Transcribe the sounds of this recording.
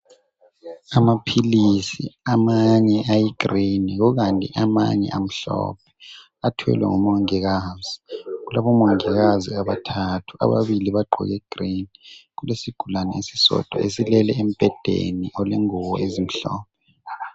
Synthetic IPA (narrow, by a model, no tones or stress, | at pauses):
amapʰilisḭamaɲɛʔajiɡ̥ʱriniɣɔɣantʼḭʔama̰ɲɛ̰ʔam̩ɬɔ̰pʰɛ̥ | atʰwɛ̰lwɛ̰ŋumɔŋɛɣaziɣulaβɔmɔŋɛɣaziaβatʰatʰu̥a̰βaβiliβaɡ͡ǃʱɔ̰ɣɛɡ̥ʱriniɣulesiɡ̥ʱulanɛesisɔ̰d̥ʱa̰esilɛlɛem̩b̥ʱɛd̥ʱḛniɔlɛŋuwɔezim̩ɬɔːpʰɛ